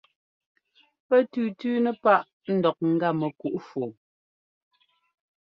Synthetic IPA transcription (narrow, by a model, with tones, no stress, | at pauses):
pɛ˦tʉ˨tʉː˦nə˦pa˦ʔ | n̩˦dɔ˨k̚ŋ̩˦ɡa˦mə˨ku˨ʔfo˨